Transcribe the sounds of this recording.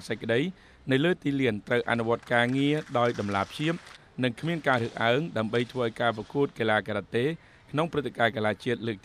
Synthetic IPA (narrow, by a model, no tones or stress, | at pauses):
səc̚kə̆ɗəj | nɨwləːt̪iːliənt̪rəwʔa̰nuʋŏət̪̚kaːŋiəɗaɔjɗɑmlaːpʰɕiəp̚ | nɨŋkʰmiənkaːɾɨəhʔaəŋɗaəmɓəjt̪ʰʋəːʔaɔjkaːprɑkuət̪̚kelaːkaɾat̪ːeː | kʰnoŋprɨt̪ʰːekaːkalaːt͡ɕiət̪̚ləːk̚t̪